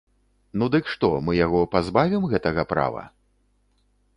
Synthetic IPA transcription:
nud̪ɨkʂt̪ɔmɨjaɣɔpazbavʲimɣɛt̪ɐɣɐpɾa̰vɐ̰

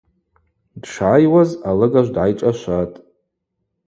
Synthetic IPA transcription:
d̥ʂʕajwazalɨɡaʒʷdʕajʈ͡ʂʼaʃʷatʼ

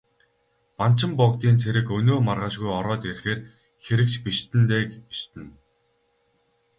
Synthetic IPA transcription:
pan̥t͡ɕɪ̆mpɔkt̪iːnt͡sʰeɾɘ̆kɵnoːmarʁə̆ʃɣujɔɾɔːt̪erxeːr | xeɾɘ̆k̚t͡ɕpiʃt̪ɘ̆nt̪eːkpiʃt̪ɘ̆n

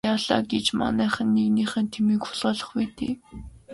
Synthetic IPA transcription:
aːɮa̰ːɡet͡ɕma̰næːχə̆nːeɣniːχə̆ːnt̪ʰemiːkxʊɮʁɔːɮə̆χput̪ḛː

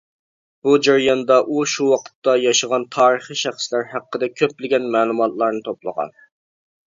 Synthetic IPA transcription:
b̥ud͡ʒɑɾjɑnd̪ɑʔuʃuwɑqʰə̥t̪ːɑjɑʃəʁɑnt̪ʰɑːɾəχiʃæχslæɾhæqːəd̪ɛkʲʰøplɪɡʲɛnmɛːlˠumɑt̪lˠɑɾnɨt̪ʰoplˠə̰ʁɑ̰n

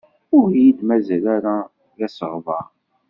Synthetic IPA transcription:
ʊɾjid̪mæzælaɾa | ɣæsəʁvɑɾ

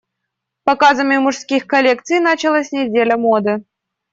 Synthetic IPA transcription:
pɐkazəmʲjʊmʊʂskʲixkɐlʲe̞k̚t̪sɨjnat͡ɕɪlˠasʲnʲɪdʲelʲəmod̪ɨ

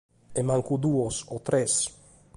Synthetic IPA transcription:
emaŋkud̪uosot̪ɾʔes

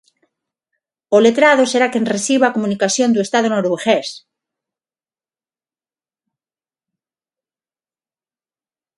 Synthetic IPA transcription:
olet̪ɾaðoseɾakenresiβakomũnikasjond̪uest̪aðonoɾoβeɣes

